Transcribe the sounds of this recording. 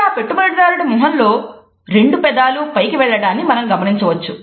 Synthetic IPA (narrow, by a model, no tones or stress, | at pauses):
aːpeʈːubɐɾɽɐɾaːɾuɽimuɦɐnlo̞ː | ɾe̞ɳɖupɛd̪aːlupɐjkiʋɛɭːɐɽaːnːimɐnɐmɡɐmɐniɲt͡ʃɐʋɐt͡ʃːu